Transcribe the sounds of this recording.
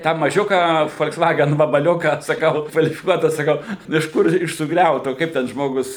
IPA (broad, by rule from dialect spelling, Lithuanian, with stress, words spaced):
tɑː mɐˈʒʲʊkɑː foːlʲksˈʋɑːɡʲɛn ʋɐbɐˈlʲʊkɑː sɐˈkɐʊ kʋɐlʲɪfʲɪˈkuɔtɐ sɐˈkɐʊ ɪʃ ˈkʊr ɪʃ sʊˈɡrʲɛʊtoː ˈkɐɪp tʲɛn ˈʒmoːɡʊs